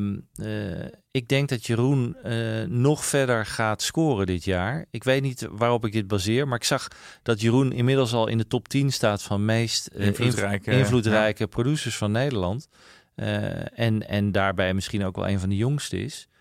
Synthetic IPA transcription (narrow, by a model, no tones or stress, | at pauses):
m | ɪɡ̚dɛŋk̚dɑtjərunː | ɔχfɛɹdəɹχaːtskoːrədɪtjaːɹɪkʋejtnitʋaːrɔpɪɡ̚dɪd̚bazɪːɹmaːɹɪksɑχ | d̥ɑtjərunɪnmɪdəl̩ˠs̬ɑlˠɪ̰ndətɔptinstaːtfɑnmejst | ɪnvlutrɛjkəprodysəɹsfɑnːejdəɹlɑnt | ɛnɛ̰ndaːɹbɛjmɪsχinowkʋɛ̰lˠʔḛjnvɑndəjɔŋstəɪ̰s